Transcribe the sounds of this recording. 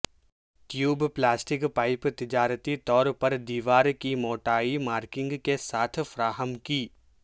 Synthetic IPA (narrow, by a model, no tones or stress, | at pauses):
ʈjuːbplaːsʈɪkpaːɪpt̪ɪd͡ʒaːɾt̪it̪ɔːɾpɐɾd̪iːʋaːɾkimoːʈaːimaːɾkɪ̃ŋɡkesaːt̪ʰfɐɾaːɦəmkiː